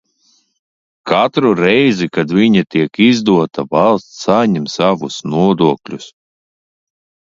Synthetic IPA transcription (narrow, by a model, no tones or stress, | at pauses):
kat̪ɾuɾɛjzikad̪vʲiɲat̪iɛkizd̪uɔt̪avalˠst̪ːaɲɛmsavusnuɔd̪uɔklʲus